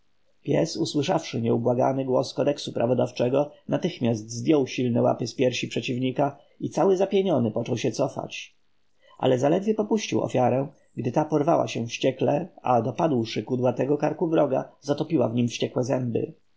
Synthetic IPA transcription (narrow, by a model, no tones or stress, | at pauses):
pʲjɛ̰suswɘʂafʂɘɲɛubwaɡa̰nɘɡwɔskɔd̪ɛksupɾʔavɔd̪aft͡ʂɛɡɔnat̪ɘxmʲjazt̪zd̪ʲjɔwɕilnɛwa̰pɘspʲjɛɾɕipʂɛt͡ɕivɲika | it̪sawɘzapʲjeɲɔnɘpɔt͡ʂɔwɕɛt̪sɔfa̰t͡ɕ | ʔa̰lɛzalɛd̪vʲjɛpɔpuɕt͡ɕiwɔ̰fʲjaɾɛ̃ | ɡd̪ɘt̪apɔɾvawa̰ɕɛfɕt͡ɕɛklɛa̰d̪ɔpad̪wʂɘkud̪wat̪ɛɡɔkaɾkubɾɔɡa̰zat̪ɔpʲiwavɲimfɕt͡ɕɛkwɛzɛmbɘ̰